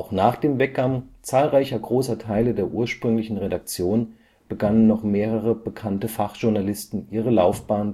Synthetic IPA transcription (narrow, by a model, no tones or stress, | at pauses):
ʔaʊxnaːχd̥eːmvɛk̚ɡ̥aŋt͡saːlʁaɪçɐɡʁoːsɐtʰaɪlədeːɐʔuːɐʃpʁ̥ʏŋlɪçn̩ʁedak̚t͡sjoːn | b̥əɡanənːɔχmeːʁəʁəb̥əkʰantəfaχʒ̥ʊɐnalɪstn̩ʔiːʁ̞əlaʊfb̥aːn